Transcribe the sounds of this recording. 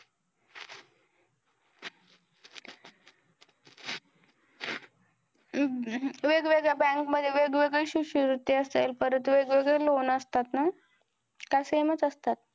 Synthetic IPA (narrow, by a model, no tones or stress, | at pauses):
ʋeɡʋeɡɭebæ̃ŋkməd̪ʱːjeʋeɡʋeɡɭeɕuɕiɾut̪ːiəst̪elpəɾət̪uʋeɡʋeɡɭelonəst̪at̪na | kasemət͡səst̪at̪̚